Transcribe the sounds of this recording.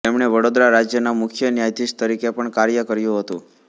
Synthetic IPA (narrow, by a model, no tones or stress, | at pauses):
emɳ̃eʋəɽod̪ɾaɾad͡ʒjənamʊkʰjənjajd̪ist̪əɾikepəɳkaɾjəkəɾjũɦət̪ṵ̃